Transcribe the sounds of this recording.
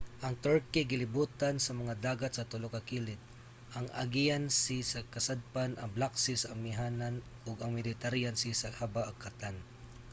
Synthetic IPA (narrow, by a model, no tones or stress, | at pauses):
ʔɐŋt̪ɔɹkɪɡɪlɪbuːt̪ansɐmɐŋad̪aːɡat̪̚sɐt̪ʊlokɐkiːlɪt̪̚ | ʔɐŋɐ̰ɡiansisɐkɐsad̪̚panʔɐŋblaksɪsɐɐmːɪɦaːnan | ʊɡɐŋmɪdɪt̪aɾijansɪsɐhabaʔɐkʰːat̪an